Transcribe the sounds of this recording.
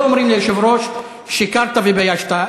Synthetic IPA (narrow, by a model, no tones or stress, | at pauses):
omɾimlejoʃevɾoʃ | vʃikaɾt̪avebajaʃt̪a